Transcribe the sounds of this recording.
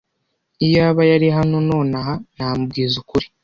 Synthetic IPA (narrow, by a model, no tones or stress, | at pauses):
ijaːβajaɾiɦano̞no̞ːnaɦanaːmub̚ɡiːzukuɾi̥